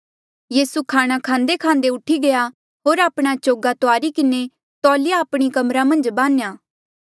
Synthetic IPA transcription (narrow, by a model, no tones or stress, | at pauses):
jiːsukʰaːɽ̃akʰãːnd̪ekʰãːnd̪eʊʈʰiɡɐja | ɦoːɾaːpɽ̃at͡ʃoːɡat̪oaːɾikɪne | t̪ɔːlɪjaːpɽ̃ikɐmɾamɐ̃nd͡ʒbãːnjaː